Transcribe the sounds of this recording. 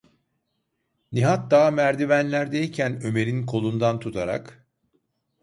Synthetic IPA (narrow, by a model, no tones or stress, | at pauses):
niɦat̪̚d̪aːmæɾd̪ivænlʲæɾd̪ejcʰænø̞me̞ɾinkʰo̞lˠund̪ant̪ʰut̪ʰaɾa̰k